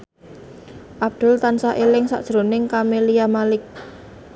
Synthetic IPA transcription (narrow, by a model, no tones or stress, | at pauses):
ʔab̚d̪̥ʊ̤lt̪ansaʔelɪŋsa̰ʔd̥ʒ̥ɾo̤nɪŋkameliamalɪk̚